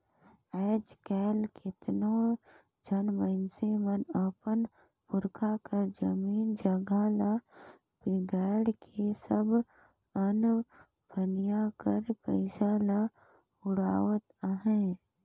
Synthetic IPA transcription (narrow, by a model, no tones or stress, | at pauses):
ɛːd͡ʒkɛːlkɪt̪no | d͡ʒʱənməɪnsemənəpən | pʊɾkʰakəɾd͡ʒəmiːnd͡ʒəɡʱala | pɪɡɛːɽkʰesəb | ən | bʱənjakəɾpəɪsala | ʊɽaːʋət̪əɦɛ̃